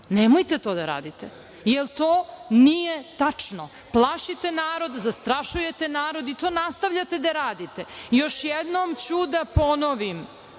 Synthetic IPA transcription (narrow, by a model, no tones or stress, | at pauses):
nemojt̪et̪o̞ːd̪aɾa̰ːd̪it̪e | jelt̪oːnijet̪at͡ʂno | plˠaʃit̪e̞naːɾo̞d̪zast̪ɾaʃuje̞t̪enaːɾo̞d̪it̪oːnast̪aʋʎat̪e̞d̪aɾaːd̪it̪ejo̞ʃjed̪nomt͡ɕud̪apo̞noʋim